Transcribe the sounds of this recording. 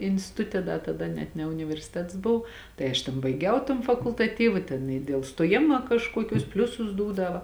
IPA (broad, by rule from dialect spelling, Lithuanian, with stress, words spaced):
ɪnʲsʲtʲɪˈtʊtʲɛ ˈdɐ tɐˈdɐ nʲɛt nʲɛ ʊnʲɪʋʲɛrʲsʲɪˈtʲɛts ˈboːw ˈtɐɪ ɐʃ tʲeːn ˈbɐɪɡʲɛʊ toːn fɐkʊlˠtɐˈtʲiːʋɐ ˈtʲeːn ɪ dʲeːlˠ stoːˈjɪmɐ kɐʃˈkuɔkʲʊs ˈpʲlʲʊsʊs ˈduːdɐʋɐ